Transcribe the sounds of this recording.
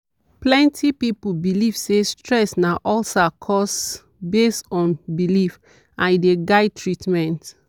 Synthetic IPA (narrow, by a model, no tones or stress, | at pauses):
plɛ̃ntʰipipubiliv̥sestɹɛsnaʔɔlsakʰɔs | bestɔ̃nbilif | ãnideɡaɪd̚tʰɹitmɛ̃nt